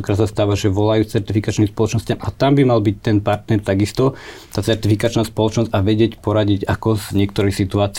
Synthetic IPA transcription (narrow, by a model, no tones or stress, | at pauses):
ɔkɾaːt̪sast̪aːʋaʒɛʋɔlajuːt͡sɛɾt̪ifikat͡ʃnimspɔlɔt͡ʃnɔscamʔat̪ambimalbic̚t̪ɛnpaɾt̪nɛɾt̪aɡist̪ɔ | t̪aːt͡sɛɾt̪ifikat͡ʃnaːspɔlɔt͡ʃnɔzɟaʋɛɟɪɛcpɔɾaɟiɟakɔzɲɪɛk̚t̪ɔɾixsit̪uaːt͡s